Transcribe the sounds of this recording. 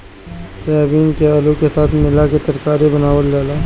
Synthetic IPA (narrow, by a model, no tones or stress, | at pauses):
sɛːaːbiːnkeaːlukesaːt̪ʰmɪlaket̪ɐɾkaːɾibɐnaːwəlːaːlaː